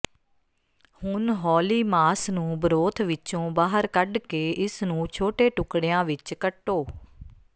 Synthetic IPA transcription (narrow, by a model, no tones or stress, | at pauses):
hʊnɦɔːliːmaːsnũːbəɾoːt̪ʰʋɪt͡ʃõːbaːɦəɾkəɖkeːʔɪsnũːt͡ʃʰoːʈeːʈʊkɽejãːʋɪt͡ʃkəʈːoː